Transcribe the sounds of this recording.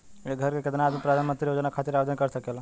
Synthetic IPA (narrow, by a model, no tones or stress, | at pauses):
eiɡʱəɾkeked̪nad̪mepɾad̪ʱanmənt̪ɾijod͡ʒnakʰat̪iɾabed̪ənkəɾsəkel